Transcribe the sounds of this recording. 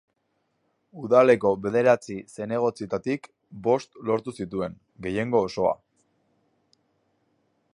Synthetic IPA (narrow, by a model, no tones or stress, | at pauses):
uðale̞ko̞βe̞ðe̞ɾat͡sise̞ne̞ɣ̞o̞t͡sit̪at̪ik | bo̞st̪lo̞ɾt̪usit̪ue̞ŋ | ɡe̞je̞ŋɡo̞ːso̞a̰